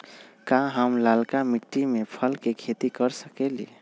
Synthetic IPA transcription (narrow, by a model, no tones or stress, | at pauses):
kãɦəmlalkamiʈːimepʰəlkekʰet̪ikəɾsəkelḭ